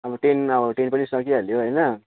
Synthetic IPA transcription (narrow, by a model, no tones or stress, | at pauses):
ʌbʌʈenʌbʌʈenpʌnisʌkiɦʌljoɦəjnʌ